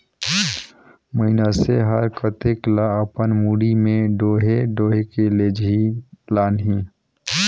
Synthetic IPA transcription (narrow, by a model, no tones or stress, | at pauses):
məinaseɦəɾkət̪eklaəpənmuɽimeɖoɦeɖoɦekeled͡ʒilanɦi